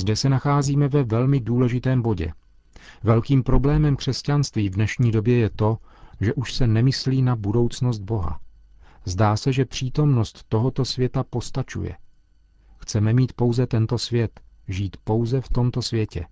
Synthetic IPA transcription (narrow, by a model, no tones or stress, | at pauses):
zdɛsɛnaxaːziːmɛvɛvɛlmɪduːlɛʒɪt̪ɛːmbo̞ɟɛ̰ | vɛlkiːmpɾo̞blɛːmɛmkr̥ɛscanst̪viːvdnɛʃɲiːdo̞bjɛjɛt̪o̞ | ʒɛʔuʃsɛnɛmɪsliːnabudo̞wt͡sno̞s̬d̪̚bo̞ɦa̰ | zdaːsɛʒɛpr̝̥iːt̪o̞mno̞st̪ːo̞ɦo̞t̪o̞svjɛt̪apo̞st̪at͡ʃṵjɛ̰ | xt͡sɛmɛmiːt̪po̞wzɛt̪ɛnt̪o̞svjɛt̪ʒiːt̪po̞wzɛft̪o̞mt̪o̞svjɛcɛ̰